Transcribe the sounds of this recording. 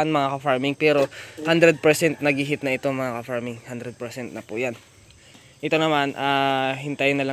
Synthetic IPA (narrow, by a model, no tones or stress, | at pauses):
anmɐŋakɐfaɹmɪŋpɛːɾo̞hand̪ɾɛd̪̚pɛɹsɛnt̪̚nɐɡiɦɪt̪̚nɐʔɪt̪oŋmɐŋakɐfaɹmɪŋhand̪ɾɛd̪̚pɛɹsɛnt̪̚nɐpʊjan | ʔɪt̪o̞nɐmanʔaːhɪnt̪ajnɐla